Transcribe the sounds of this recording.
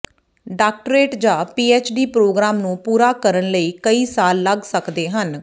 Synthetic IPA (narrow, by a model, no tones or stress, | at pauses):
ɖaːk̚ʈɾeːʈd͡ʒãːpiːeːt͡ʃɖiːpɾoːɡɾaːmnũːpuːɾaːkəɾənləiːkəiːsaːlːəɡsəkd̪eːɦən